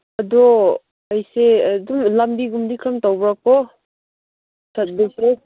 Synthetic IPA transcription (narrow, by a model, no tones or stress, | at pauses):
ɐdɔ | ɐjseɐdumlɐmbiɡumdikʰɾɐmtawbɾak̚pɔ | sʰɐt̚busɾe